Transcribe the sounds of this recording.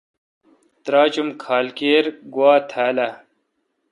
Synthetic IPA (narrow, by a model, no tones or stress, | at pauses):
t̪ɾaːt͡ɕumkʰaːlkeːɾɡwaːt̪ʰaːlɐ